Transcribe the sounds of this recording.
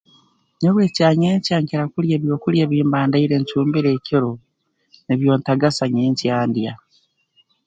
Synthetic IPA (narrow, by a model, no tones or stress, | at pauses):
ɲeβweːcaːɲeːɲcaːŋciɾakuljeːβjo̞ːkuljeːβiːmbaːndaiɾe̞ɲcuːmbiɾe̞ːciɾo | neβjo̞ːntaɡasaɲeːɲcjaːndja